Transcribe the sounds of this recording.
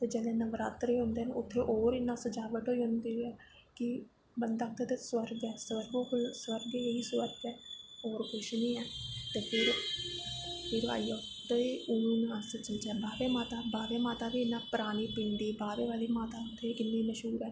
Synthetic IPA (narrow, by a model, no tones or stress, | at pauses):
t̪eːd͡ʒɛːleːnəʋɾaːt̪ɾiːɦõːnd̪eːɦnʊt̪ʰːeːʔoːɾɪnːãːsəd͡ʒaːʋəʈɦoːiːɦʊ̃nd̪iːɛː | kɪ | bənd̪aːk̚t̪et̪eːswəɾɡɛːsəɾɡoːkswəɾɡeeiːsʋəɾɡɛːoːɾkʊʃnĩːɛːt̪eːpʰɪɾ | pʰɪɾa̰ːio | t̪eʊnũːnãːsət͡ʃəd͡ʒɛːbaːʋeːmaːt̪aːbaːʋeːmaːt̪aːʋiːɪnːãːpəɾaːñiːpĩːnd̪iːbaːʋeːʋaːliːmaːt̪aːʊt̪ʰːeːʔɪnːiːməʃɦuːɾɛː